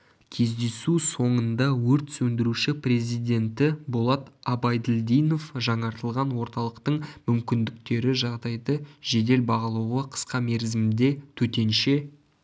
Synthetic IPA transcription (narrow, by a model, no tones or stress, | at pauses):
kʲʰe̞zd̪e̞suso̞ɴənd̪ɑwɵɾt̪sɵnd̪ɪɾuʃɪpre̞zijd̪e̞nt̪ɪbolˠɑt̪ɑbɑjd̪ɪld̪ijno̞fʒɑɴɑɾt̪əlˠʁɑnwo̞ɾt̪ɑlˠəqt̪əɴmʏmkʲɪnd̪ɪk̚t̪e̞ɾɪʒɑʁd̪ɑjd̪əʒe̞d̪e̞lbɑʁɑlˠɑwʁəqʰə̥sqɑme̞ɾzɪmɪnd̪e̞t̪ʰɵt̪e̞nʃe̞